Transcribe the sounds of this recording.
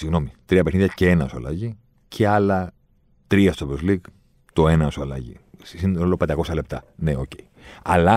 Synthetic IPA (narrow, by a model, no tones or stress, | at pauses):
siɣno̞mit̪ɾiɐpe̞xniðʝɐceenɐsuɐ̰lɐ̰ʝi | cʰe̞ɐlɐ | t̪ɾiɐst̪opɾozlik | t̪o̞e̞nɐsuɐlɐ̰ʝḭssinolopend̪ɐko̞sɐle̞p̚t̪ɐ̰neo̞ce̞iɐlɐ